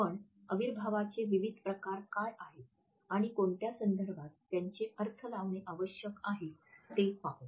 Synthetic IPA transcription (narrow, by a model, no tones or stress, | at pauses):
pəɳəʋiɾbʱaʋat͡seʋiʋid̪ʱpɾəkaɾkajaɦe | aɽ̃ikoɳʈ̪jasənd̪ʱəɾbʱat̪ːjaɲt͡ɕeʔəɾt̪ʰəlaʋɳeʔaʋəɕjəkaɦet̪epaɦu